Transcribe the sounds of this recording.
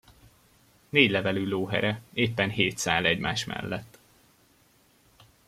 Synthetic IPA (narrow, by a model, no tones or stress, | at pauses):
neːɟlɛvɛlyːloːɦɛ̰ɾɛeːpːɛnɦeːt̪saːlɛɟmaːʃmɛ̰lːɛt̪ː